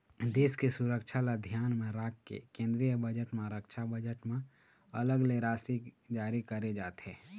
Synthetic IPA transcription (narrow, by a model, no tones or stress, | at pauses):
d̪eːskesʊɾəkʃʰalad̪ʱjaːnmẽɾaːkːḛkẽːnd̪ɾijəbəd͡ʒəʈmẽɾəkʃʰabəd͡ʒəʈmẽ | ɐləɡleːɾaːsikd͡ʒaːɾikəɾed͡ʒaːt̪ɦɛ̃ː